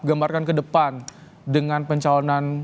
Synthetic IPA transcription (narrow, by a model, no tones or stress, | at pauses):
ɡambarkankədəpan | dəŋanpəɲt͡ʃalonan